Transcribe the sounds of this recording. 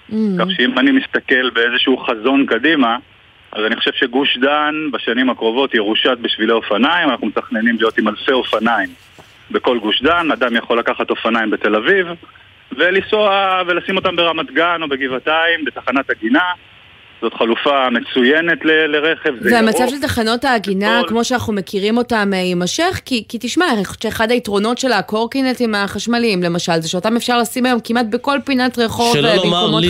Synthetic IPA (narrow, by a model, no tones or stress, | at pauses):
kaχʃeimanimist̪ake̞lbe̞ezeʃuuχazo̞nkadima | azaniχoʃevʃe̞ɡuʃdanbaʃanimakʁo̞vo̞tjeʁuʃat̪̚biʃvileo̞fanaimanaχnumet̪aχne̞nimlijo̞t̪imalfe̞o̞fanaim | be̞ko̞lɡuʃdanad̪amjaχo̞lːakaχat̪o̞fanajimbe̞t̪e̞laviv | ve̞lisoavelasimo̞t̪ambe̞ʁamat̪ɡano̞beɡivataimbetaχanataɡina | zo̞tχalufame̞t͡sujenet̪leleʁeχevzeveamat͡savʃelt̪aχano̞taːɡinakmoʃeanaχnume̞kiʁimo̞tamimaʃeχkikitiʃmaiχo̥t͡ʃʃeeχadaitʁo̞no̞tʃe̞lako̞ʁkinet̪imaχaʃmalimle̞maʃalzeʃeotame̞fʃaʁlasimajo̞mkimat̚beko̞lpinatʁeχo̞vveiomo